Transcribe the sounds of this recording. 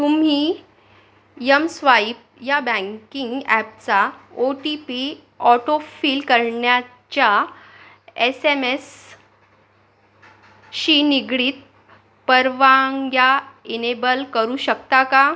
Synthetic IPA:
t̪um̤iː | jəmsʋaip̚ | jabə̃ŋkiŋɡæp̚t͡saoʈipi | ɔʈofiːlkəɾɳja | t͡ɕja | esemes | ɕiːniɡɽiːt̪̚ | pəɾʋaŋɡjainebəlkəɾuːɕəkt̪aka

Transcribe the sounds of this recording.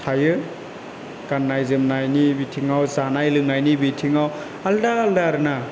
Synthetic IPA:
tʰajɯ | kanːajzɯmnajnibitʰiŋawzanajlɯŋnajnibitʰiŋaw | aldaːldaɾna

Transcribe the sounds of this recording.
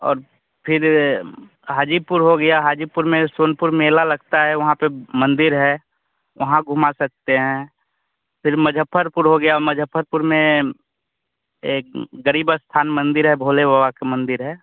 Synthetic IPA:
ɔ̰ːɾ | pʰɪɾ | ɦaːd͡ʒipʊɾɦoɡɐjaɦaːd͡ʒipʊɾmẽsoːnpʊɾmeːlalɐɡt̪aɦɛʋɐɦãpemə̃nd̪ɪɾɦɛː | ʋɐɦãɡʱʊmasɐk̚t̪eɦɛ̃ | pʰɪɾməd͡ʒʱəpʰːəɾpʊɾɦoɡɐjaməd͡ʒʱəpʰːəɾpʊɾmẽ | eːk̚ɡəɾiːbəst̪ʰaːnmə̃nd̪ɪɾɦɛbʱoːlebawakemə̃nd̪ɪɾɦɛː

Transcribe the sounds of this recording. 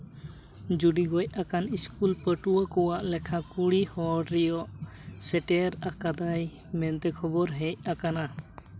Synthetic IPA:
d͡ʒuɖiɡɔc̚akaniskulpəʈuwəkɔwaʔlɛkʰakuɽihɔɖɾɛjɔʔsɛʈɛɾakad̪aj | mɛnt̪ɛkʰɔbɔɾɦɛc̚akana

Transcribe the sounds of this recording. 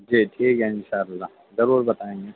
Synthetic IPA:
d͡ʒiːʈʰiːkɦɛɪ̃nʃaːəlːa | zɐɾuːɾbɐt̪aːẽŋɡe

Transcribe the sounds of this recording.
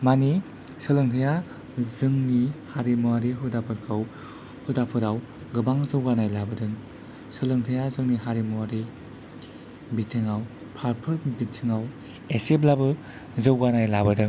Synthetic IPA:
mani | sɯlɯŋtʰaja | zɯŋnihaɾimuwaɾiɦɯdapʰɯɾkʰaw | hɯdapʰɯɾaw | ɡɯbaŋzɯwɡanajlabɯdɯŋ | sɯlɯŋtʰɯjazɯŋniɦaɾimuwaɾi | bitʰɯŋaw | pʰaɾpʰɯɾbitʰɯŋaw | eseplabɯ | zɯwɡanajlabɯdɯŋ

